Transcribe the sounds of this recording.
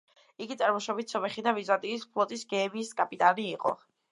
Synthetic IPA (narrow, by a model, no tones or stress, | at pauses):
iɡit̪sʼaɾmɔʃɔbit̪ʰsɔbɛχid̪avizat̪ʼiːspʰlˠɔt̪ʼisɡɛːmiːskʼapʼit̪ʼaniːqʼɔ̰